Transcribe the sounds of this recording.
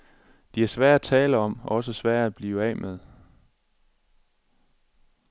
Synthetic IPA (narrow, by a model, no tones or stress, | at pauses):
d̥ihæɐsʋæɐ̰d̥æt͡sʰɛːləɒ̽m̰ɒ̽s̬əsʋæɐ̰dæb̥liːʊɛ̰mʔeð̞ˠ